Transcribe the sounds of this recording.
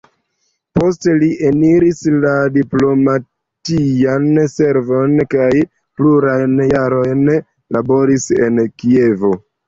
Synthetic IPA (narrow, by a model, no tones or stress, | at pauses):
po̞s̬te̞liʔeniɾisladiplo̞ma | tianse̞ɾvo̞nkaj | pluɾajnjaɾo̞jn | labo̞ɾise̞̰nkie̞vo̞